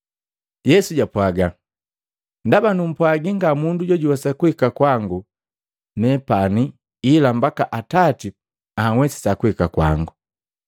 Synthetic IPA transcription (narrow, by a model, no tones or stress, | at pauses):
jɛsuɟapwaɡa | ndabanum̩pwaɡiŋɡamunduɟɔɟuwasakuhikakwaŋɡu | nɛpani | ilambakaʔatati | aŋwɛsi̥sakuhikakwa̰ŋɡu